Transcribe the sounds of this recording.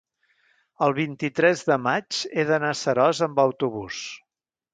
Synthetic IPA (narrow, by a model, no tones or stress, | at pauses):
əlˠβ̞int̪it̪ɾɛzðəmad͡ʒeðənasəɾɔzəmbəwt̪uβus